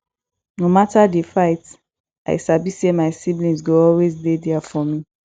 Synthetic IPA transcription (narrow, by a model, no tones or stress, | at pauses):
nomatadifaɪt | a̰ɪsabisemaɪsiblĩnsɡoɔlwezdedɛafɔmĩ